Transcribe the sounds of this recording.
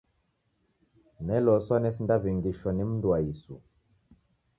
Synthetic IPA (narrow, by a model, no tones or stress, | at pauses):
nɛlɔsanɛsindaβiŋɡiʃɔnim̩nduaisṵ